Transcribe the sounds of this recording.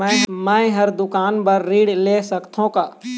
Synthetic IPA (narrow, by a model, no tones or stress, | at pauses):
ɛ̃mɛ̃ːɦɐɾd̪ʊkaːnbəɾːiːɽleːsəkt̪ʰõkaː